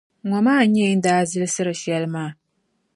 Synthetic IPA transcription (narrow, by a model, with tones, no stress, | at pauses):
ŋɔ˨maː˦˨˦ɲɛ˦i˦n̩˦daː˦zɨ˦lɨ˦sɨ˦ɾɨ˨ʃɛ˦lɨ˦maː˦˨